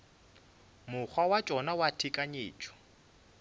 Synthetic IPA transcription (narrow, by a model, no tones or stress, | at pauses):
mʊk͡xʰwawat͡ʃʼɔnawatʰikʼaɲeːt͡ʃʰʼɔ̥